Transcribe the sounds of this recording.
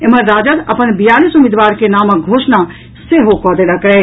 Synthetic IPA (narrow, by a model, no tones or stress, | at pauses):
eməɾːad͡ʒət̪əpənbijalisumid̪ʋaɾkenaməɡʱosna | seɦokɔd̪eləkɛ